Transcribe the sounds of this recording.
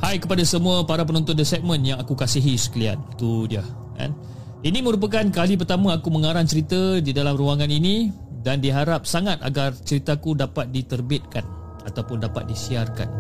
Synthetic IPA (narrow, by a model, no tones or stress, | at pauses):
hajkəpadasəmuəpaɾap̬ənɔ̃nt̪ʊndəsɛk̚mə̃njaŋakukasiɦisə̥kilia̰nt̪udia | ka̰n | inĩmə̃ɾup̬ak̬ankalip̬ərt̪amãakuməŋaɾant͡ʃəɾit̪ədidalamruaŋãninĩ | dandiɦaɾap̚saŋat̪̚a̰ɡart͡ʃəɾit̪akudapat̪̚dit̪ərbɪt̪̚kan | a̰t̪awpʊndapa̰t̪̚disiarka̰n